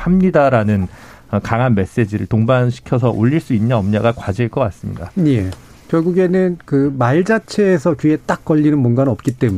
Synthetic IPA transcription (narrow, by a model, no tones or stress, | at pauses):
amɲidaɾanɯn | ʌkaŋɦanme̞s͈e̞d͡ʑiɾɯɭtoŋbanɕʰi̥kʰjʌsʰʌʔoʎːiɭs͈uinɲaʌmɲaɡakwad͡ʑieɭk͈ʌk͈as͈ɯmɲḭdaɲe̞ | kjʌɭɡuɡe̞nɯnkɯmaɭd͡ʑat͡ɕʰe̞ːs̬ʰʌkɥie̞t͈ak̚k͈ʌʎːinɯnmʌnɡanʌp̚k͈it͈e̞mu